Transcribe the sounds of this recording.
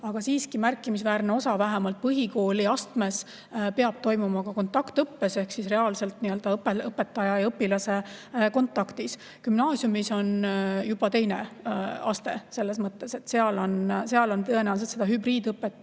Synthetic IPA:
ɑɡ̥ɑsiːskimærkːˑimisvæːɾneo̞sɑvæɦemɑlt̪̚pɤɦiko̞ːliɑst̪me̞s | peɑb̥̚t̪o̞jmumɑkɑko̞nt̪ːˑɑkt̪ɤpːe̞se̞hksisre̞ɑːlse̞lt̪niø̞ld̪̥ɑpeɤpːe̞t̪ːˑɑjɑɤpːilɑse̞ko̞nt̪ːˑɑkt̪is | kymnɑːsjumiso̞njub̥ɑt̪e̞jne̞ɑst̪e̞se̞lːe̞smɤt̪ˑːe̞se̞t̪ːse̞ɑlo̞nse̞ɑlo̞nt̪ɤenæws̬et̪sed̪̥ɑɦybriːd̪ɤpːˑet̪ːˑ

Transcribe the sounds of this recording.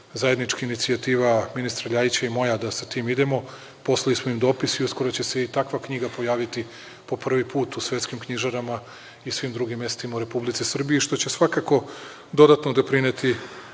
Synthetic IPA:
zaje̞d̪nit͡ʃkainit̪siat̪iːʋaminist̪ɾaʎait͡ɕaimo̞jad̪asat̪iːmid̪emo̞ | po̞slˠalismoimd̪o̞ːpisiusko̞ɾot͡ɕe̞se̞it̪akʋakɲiɡapo̞jaːʋit̪i | po̞pr̩ʋipuːt̪usʋe̞t̪skimkɲiʒaɾama | isʋimd̪ɾuɡimːe̞st̪imauɾe̞publit̪sisr̩bijiʃt̪o̞t͡ɕe̞sʋakako̞ | d̪o̞d̪at̪nod̪o̞pɾinet̪i

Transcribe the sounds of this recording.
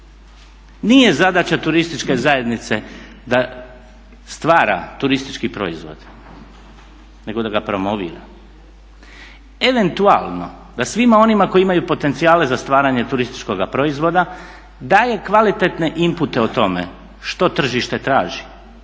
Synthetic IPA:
nije̞zad̪at͡ɕat̪uɾist̪it͡ʃke̞zaje̞d̪nit̪se̞ | d̪a | st̪ʋaːɾa̰t̪uɾist̪i̥t͡ʃkipɾo̞̰izʋo̞̰d̪̥ | ne̞ɡo̞d̪aɡapɾo̞mo̞ʋḭːɾa̰ | e̞ʋe̞nt̪ua̰lˠno̞̰ | d̪asʋimao̞nimako̞iimajupo̞t̪e̞nt̪sijaːle̞zast̪ʋaːɾaɲe̞t̪uɾist̪i̥t͡ʃko̞ɡapɾo̞izʋo̞d̪a | d̪aːje̞kʋalit̪e̞t̪ne̞ʔimput̪e̞ot̪o̞me̞̰ | ʃt̪o̞t̪r̩ʒiʃt̪e̞t̪ɾaːʒi

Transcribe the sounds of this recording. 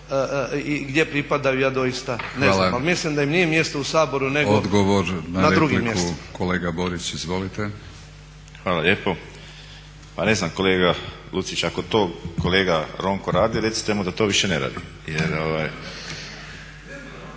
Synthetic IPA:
əiɡd̪je̞pɾipad̪ajujaːd̪o̞jist̪aneanlamalmislimd̪aimnijemje̞st̪ousaːbo̞ɾune̞ɡod̪ɡoʋoɾnanadɾeɾuɡiimjkesuko̞le̞ːɡabo̞ɾisizʋo̞lit̪e | xʋaːlalʎe̞ːpo̞ | pane̞znamko̞leːɡa | lut̪it͡ɕako̞t̪o̞ːkoleːɡaɾo̞ŋkoɾaːd̪iɾet̪si̥t̪emud̪at̪oʋiʃeneɾa̰ːd̪i | jeɾoʋaj

